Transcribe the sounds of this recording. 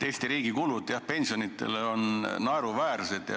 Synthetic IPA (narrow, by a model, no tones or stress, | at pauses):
e̞ːst̪iɾiːɡ̥ikulud̪̥ˑjɑhpe̞nʲsio̞nit̪ːˑe̞̰leo̞nnɑeɾuvæːrse̞d̪̥jɑ̰